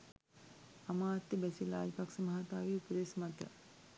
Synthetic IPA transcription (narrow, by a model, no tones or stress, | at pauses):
ɐmaːt̪jɐbɐsila̰ːd͡ʒpɐksɐmɐɦaːt̪aːʋiupɐd̪eːsmɐt̪jɐ̰